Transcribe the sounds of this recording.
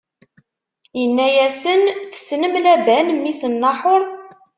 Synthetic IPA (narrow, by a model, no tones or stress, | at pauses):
jənːæjæsənθə̥snəmlæbænmːisənːɑħʊɾˤ